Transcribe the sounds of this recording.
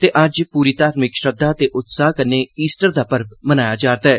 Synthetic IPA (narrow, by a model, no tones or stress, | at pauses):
t̪eːʔɐd͡ʒpuːɾiːt̪aːɾmɪkʃɾəd̪aːt̪eːʔʊt̪saːɦkəneːiːsʈəɾd̪aːpəɾbmənaːjaːd͡ʒaːɾt̪aɛː